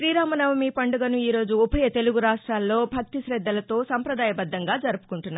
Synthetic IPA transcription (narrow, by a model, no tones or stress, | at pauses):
ʃɾiːɾaːmɐnɐʋɐmiːpɐɳɖuɡɐnuiːɾo̞ːd͡ʒuupʰɐjɐt̪e̞luɡuɾaːʂʈɾaːlːo̞ːbʱɐk̚t̪iʃɾɛd̪ːɐlɐt̪o̞ːsɐmpɾɐd̪aːjɐbɐd̪ʱːɐŋɡaːd͡ʒɐɾupu̥kuɳʈunːa